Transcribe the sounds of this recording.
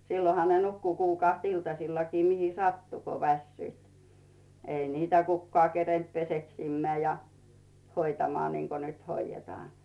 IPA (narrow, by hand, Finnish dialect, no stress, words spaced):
silːohɑ ne nukːu kuːkɑˑht iltɑsilːɑkiː mihi sɑtːu ko ʋæsːyit ei niːtæ kukːŏɑˑ kerent peseksimːeæˑ jɑ hoitɑmŏɑˑ niŋko nyt hoijːetŏɑˑn̥